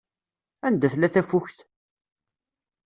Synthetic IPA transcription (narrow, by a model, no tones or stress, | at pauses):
ænd̪æθlæθæfuçθ